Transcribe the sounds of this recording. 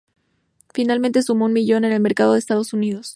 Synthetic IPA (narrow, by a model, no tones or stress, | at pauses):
finalmẽnt̪e̞sumounmiʝo̞ne̞ne̞lme̞ɾkað̞o̞ðest̪að̞o̞suniðo̞s